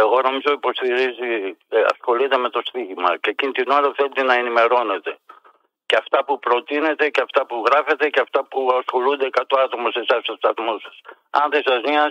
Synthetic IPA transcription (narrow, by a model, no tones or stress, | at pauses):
e̞ɣo̞no̞mizo̞ipo̞st̪iɾiziɐ̰sxo̞lit̪e̞me̞t̪o̞st̪iʝimɐcecinit̪ino̞ɾɐθelet̪enɐenime̞ɾo̞ne̞t̪e̞ | ceɐft̪ɐpupɾo̞t̪ine̞t̪e̞ceɐft̪ɐpuɣɾɐfe̞t̪ecɐft̪ɐpuɐsxo̞lund̪e̞kɐt̪oɐt̪o̞mosesɐst̪ost̪ɐθmosɐ̥s | ɐ̰nðesɐzmɲɐ